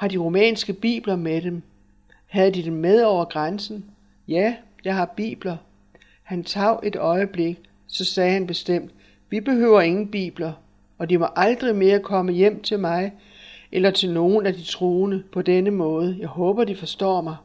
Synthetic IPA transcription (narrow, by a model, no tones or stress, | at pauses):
hɑ̈d̥iʁo̝mɛ̰ːnsɡ̥əb̥ḭːb̥lɐmeɾ̥em | hæð̞ˠd̥id̥emːeð̞ˠɒʊ̰ɐɡ̥ʁansn̩ | jæjɑ̈ɪɦɑ̈b̥ḭːb̥lɐ | hænt͡sʰɑ̈ʊ̰ʔe̝d̥ɒ̽ɪəb̥le̝ɡ̥ | sɒ̽sɛːhænb̥e̝sd̥em̰d̥ | ʋib̥e̝ɦø̰ʊɐe̝ŋn̩b̥ḭːb̥lɐ | ɒ̽dimɒ̽ʔɑ̈ld̥ʁime̝ːɐkʰɒ̽məjem̰t͡sʰe̝lmɑ̈ɪ | ʔelɐt͡sʰe̝lno̝ːn̩æd̥it͡sʰʁo̝ːnəpʰɒ̽d̥enəmɔ̽ːð̞̩ˠəjɑ̈ɪɦɔ̽ːb̥ɐd̥ifɒ̽sd̥ɒ̰ːmɑ̈ɪ